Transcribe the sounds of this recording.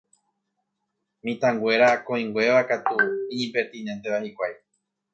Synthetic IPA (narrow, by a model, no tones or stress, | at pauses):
mĩt̪ãŋɡwe̞ɾakõ̞ĩŋɡwe̞ʋakat̪uĩɲĩpeɾt̪ĩnent̪e̞βahikʷaj